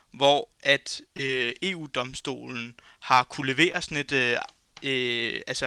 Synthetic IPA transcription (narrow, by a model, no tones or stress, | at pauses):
ʋɒʔæd̥øe̝ːṵːd̥ɒ̽msd̥o̝̰ːln̩ | hɑ̈kʰule̝ʋe̝̰ːɐsɔne̝d̥ | øælsə